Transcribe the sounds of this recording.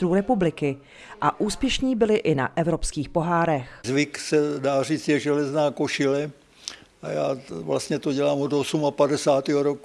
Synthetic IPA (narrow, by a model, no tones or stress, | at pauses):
ɾuːɾɛpublɪkɪ | ʔaʔuːspjɛʃɲiːbɪlɪʔɪna̰ʔɛvɾopskiːxpo̞ɦaːɾɛxzvɪksɛdaːriːt͡sjɛʒɛlɛznaːkoʃɪlɛ | aja̰ːvlast̪ɲɛt̪oɟɛlaːmod̪osumapadɛsaːt̪iɦoɾoku